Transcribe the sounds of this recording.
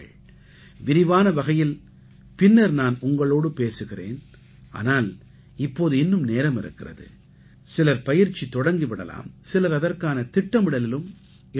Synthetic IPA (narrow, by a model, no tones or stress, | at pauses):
ɭ | ʋɪɾɪʋaːnɐʋɐɣɐjɪl | pɪnːɐɾnaːnʊŋɡɐɭoːɽɯpeːsɯɣɪrḛːn | ʔa̰ːnaːl | ɪpːoːðɯɪnːɯmneːɾɐmɪɾɯ̰kːɪrɐ̰ðɯ̰ | sɪlɐɾpɐjɪɾt͡ʃːit̪ːɔɽɐŋɡiʋɪɽɐla̰ːmsɪlɐɾɐðɐrkaːnɐt̪ɪʈːɐmɪɽɐlɪlɯm | ɪ